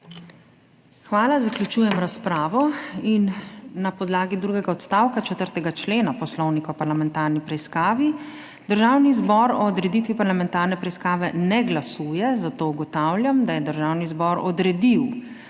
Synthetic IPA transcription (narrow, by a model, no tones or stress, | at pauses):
xʋaːlazakljut͡ʃuːjɛmɾaspɾaːʋɔinːapɔd̪laːɡid̪ɾuɡɛɡaɔt̪st̪aːwkat͡ʃɛt̪əɾt̪ɛɡat͡ʃleːnapɔslɔwnikaɔpaɾlamɛnt̪aɾnipɾɛiskaːʋi | d̪əɾʒawnizbɔɾɔːd̪ɾɛd̪it̪ʋipaɾlamɛnt̪aːɾnɛpɾɛiskaːʋɛnɛɡlasuːjɛzat̪oːuɡɔt̪awlʲjamd̪ajɛd̪əɾʒawnizbɔɾɔd̪ɾɛd̪iw